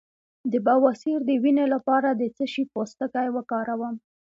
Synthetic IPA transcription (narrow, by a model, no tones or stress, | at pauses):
d̪əbɑwɑsiɾd̪əwinelapɑɾad̪ət͡səʃipost̪əkajwəkɑɾawəm